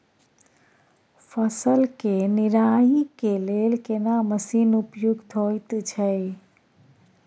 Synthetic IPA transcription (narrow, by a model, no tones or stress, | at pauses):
fʰəsəlkenɪɾaːjikeleːlkenaməsiːnʊpjʊɡt̪ʰoːjt̪t͡ʃʰə